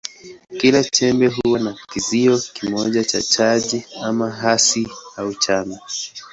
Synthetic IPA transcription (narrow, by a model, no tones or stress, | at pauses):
kilat͡ʃɛmbɛɦuwanakiziɔkimɔʄat͡ʃa̰t͡ʃaʄiamaɦasiaut͡ʃama